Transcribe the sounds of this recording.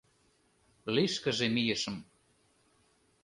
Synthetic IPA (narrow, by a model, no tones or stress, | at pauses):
liʃkə̆ʒemijəʃə̆m